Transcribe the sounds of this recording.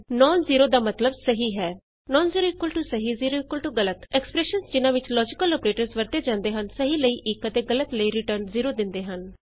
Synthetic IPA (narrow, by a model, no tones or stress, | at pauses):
nɔːnziːɾoːd̪aːmət̪ləbsəɦiːɦɛː | nɔːnziːɾoːɪkwəlʈusəɦiːziːɾoːɪkwəlʈuːɡələt̪ɛkspɾɛːʃənsd͡ʒɪnãːʋɪt͡ʃlɔːd͡ʒɪkəlɔːpɾeːʈəɾzʋəɾt̪eːd͡ʒãːnd̪eːɦənsəɦiːləiːʔɪkət̪eːɡələt̪ləiːɾɪʈəɾnziːɾoːd̪ɪ̃nd̪eːɦən